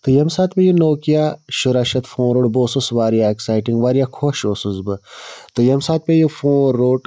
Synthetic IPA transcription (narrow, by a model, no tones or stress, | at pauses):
t̪ɨjɐmsaːt̪pejunoːkijaʃuɾɐʃɐt̪fõːnɾoːʈboːsusʋaːɾijaeksaːjʈiŋɡʋaːɾijakʰoʃoːsuzbɨt̪ɨjɐmsaːt̪̚pʲejufõːɾoːʈ